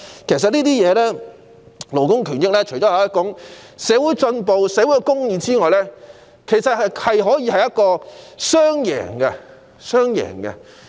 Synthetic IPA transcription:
kʰe˨˩js̬ɐ˨t̚nliː˥t̪iː˥jɛː˨˧lɛː˥ | lo˨˩wkʊ˥ŋkʰyː˨˩njɪ˥k̚lɛː˥t͡ʃʰɵ˨˩t͡ʃɔː˨˥ja˨˦jɐ˥t̚kʊ˨˥ŋsɛː˨˧˥wuː˨˥jt͡ʃɵ˧npo˨wsɛː˨˧wu˨˥jkɛ˧kʊ˥ŋjiː˨˧t͡siː˥ŋɔː˨jlɛː˥ | kʰe˨˩jsɐ˨t̚hɐ˨jɦɔː˨˥jiː˨˧hɐ˨jɐ˥t̚kɔː˧sœː˥ŋjɛ̰ː˨˩ŋɡɛ˧ | sœː˥ŋjɛ̰ː˨˩ŋkɛ̰˧

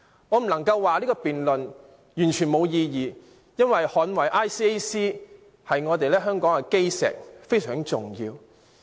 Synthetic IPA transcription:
ŋɔ˨˧m̩˨˩lɐ˨˩ŋkɐ˧wːaː˨liː˥kɔː˧piː˨nlɵ˨n | jyː˨˩nt͡ʃʰyː˨˩nmo˨˧wjiː˧jiː˨ | jɐ˥nwɐ˨jhɔː˨˥nwɐ˨˩jʔaː˥jsiː˥e˥siː˥ | hɐ˨jŋɔː˨˧t̪e˨jlɛː˥ɦœː˥ŋkɔː˨˥ŋɛ˧ke˥jsɛ̰ː˨˩k̚fe˥jsœː˨˩ŋt͡sʊ˨ŋjḭː˧w

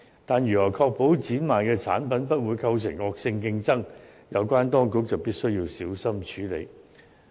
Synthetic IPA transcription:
t̪aː˨˩njyː˨˩lɔː˨˩kʰɔː˧k̚po˨˥wt͡siː˨˥nmaː˨nkɛː˧t͡sʰa̰ː˨˥npɐ˨˥npɐ˥t̚wuː˨˧jkʰɐ˧ws̬ɪ̰˨˩ŋɔː˧k̚sɪ˧ŋkɪ˧ŋt͡sɐ˥ŋ | jɐ˨˧wkʷaː˥nt̪ɔː˥ŋkʊ˧˥k̚t͡sɐ˨wpiː˥t̚sɵ˥ɥjiː˧wsiː˨˥wsɐ˥mt͡ʃʰyː˨˥lḛ˨˧j

